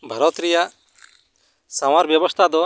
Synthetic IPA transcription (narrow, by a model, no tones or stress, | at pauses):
bʱəɾɔt̪ɾɛjaʔ | saw̃aɾbjɔbɔst̪ʰad̪ɔ